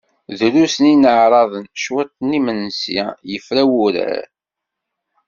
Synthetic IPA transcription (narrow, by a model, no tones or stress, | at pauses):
ðɾusəninəʕɾˤɑðˤənʃwæt̪ːnimənsa̰jəfɾæwuɾæ̰ɾ